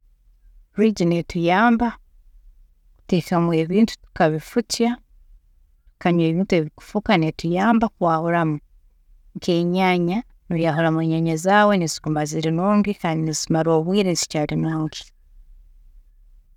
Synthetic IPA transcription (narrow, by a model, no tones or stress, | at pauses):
ɾiːɟinetujaːmba | ku̥teːkamue̞ːβiːntu̥tu̥kaβifuca | kaɲwe̞ːβiːntue̞ːβiku̥fukanetujaːmbakwaːβuɾamu | ŋkʰeːɲaːɲa | nujaɦoɾamweːɲaɲazaːwe̞nezi̥kumaziɾinoːmɡikaːndinezimaɾo̞ːβwiːɾensi̥caːɾinoːŋɡi̥